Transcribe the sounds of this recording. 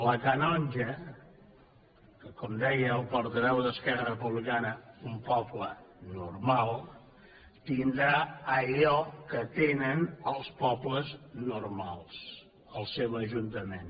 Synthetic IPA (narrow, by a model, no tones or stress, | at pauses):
ləkənɔnʲʒə | kəkɔmd̪ɛjəːlˠpuɾt̪əβɛwðəskɛrərəpuβlikanəumpɔplənuɾmalˠ | t̪ind̪ɾaəʎɔkət̪enənəlˠspɔbləznuɾmalˠs | əlˠsewəʒunt̪əmen